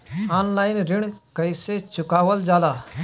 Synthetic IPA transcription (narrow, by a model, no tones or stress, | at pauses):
aːnlaːɪnɾɪɳ̃kəɪset͡ʃʊkaːʋəld͡ʒaːlaː